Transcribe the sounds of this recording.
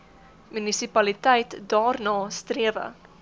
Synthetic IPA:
mynisipɐlitɛjtdɑːrnɑːstriəvə̰

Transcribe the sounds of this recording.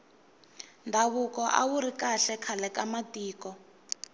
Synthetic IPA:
ndʱaβukɔʔa̰wuɾikaɬɛkʰalɛkamatʼiːkɔ

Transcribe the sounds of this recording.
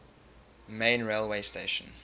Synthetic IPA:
mẽɪ̃nɹeɪlˠweɪsteɪʃə̃n

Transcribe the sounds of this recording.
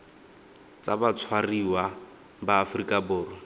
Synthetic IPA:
t͡sabat͡sʰwariwa | baːfrikʼabʊːrɔ

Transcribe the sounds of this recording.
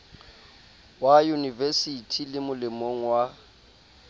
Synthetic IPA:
wajunivɛsitʰilɪmʊlɪmoŋ̩wa

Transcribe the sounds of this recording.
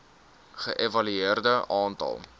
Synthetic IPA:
χəʔevɐlyeərdəʔɑːntɐ̰lˠ

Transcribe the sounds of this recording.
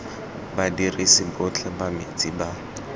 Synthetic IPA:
badirisibʊt͡ɬʰɛbamet͡sʼiba

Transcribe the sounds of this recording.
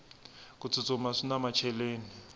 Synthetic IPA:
kʼut͡sʰut͡sʼɔmasinamat͡ʃʰɛleːni

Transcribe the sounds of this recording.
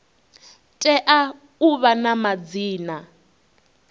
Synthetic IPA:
tʼɛʔa | uβanamad͡ziːna

